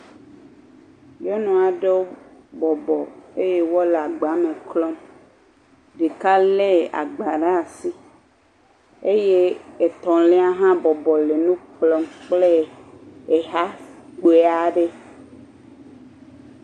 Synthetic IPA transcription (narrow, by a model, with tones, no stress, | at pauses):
jɔ˦nɔ̃˨a˨ɖe˦wo˦bɔ˨bɔ˨e˦je˦wɔ˦le˨a˨ɡ͡ba˨˦mẽ˨klɔ˦m | ɖe˨ka˦le˦a̰˨ɡ͡ba˨ɖa˦˨si˦ | e˦je˦e˨t̪ɔ̃˨le˦a˦ɦã˦bɔ˨bɔ˨le˨nũ˦klɔ˦mk͡ple˦ | e˨ɦa˦k͡po˨e˨a˨ɖe˦